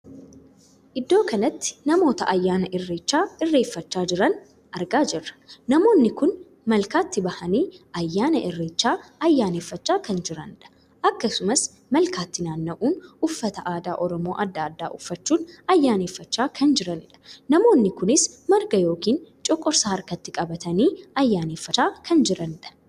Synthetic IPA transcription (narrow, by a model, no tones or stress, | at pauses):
ʔɪd̪ːo̞ːkɐnɐt̪ːɪ̥nɐmo̞ːt̪ɐ̰ʔɐjːaːnɐʔɪrːeːt͡ʃːaːɪrːe̞ːfːɐt͡ʃːaːd͡ʒɪɾɐn | ʔɐɾɡaːd͡ʒɛrːɐ̥nɐmo̞ːnːɪkʊn | mɐlkaːt̪ːɪbɐhɐniːɐjːaːnɐʔɪrːeːt͡ʃːaːɐjːaːneːfːɐt͡ʃːaːkɐnd͡ʒɪɾɐnɪᶑɐ̥ | ʔɐkːɐsʊmɐs | mɐlkaːt̪ːɪnaːnːɐʔuːnʊfːɐt̪ɐʔaːd̪aːʔɔɾɔmo̞ːʔɐd̪ːaːd̪ːaːʔʊfːɐt͡ʃːuːnɐjːaːneːfːɐt͡ʃːaːkʰɐnd͡ʒɪɾɐnɪᶑɐ̥nɐmo̞ːnːɪkʊnɪsmɐɾɡɐjo̞ːkiːnt͡ʃʼɔkʼːɔɾsɐhɐɾkɐt̪ːɪkʼɐbɐt̪ɐniːɐjːaːneːfːɐaːkʰɐnd͡ʒɪɾɐnᶑɐ̥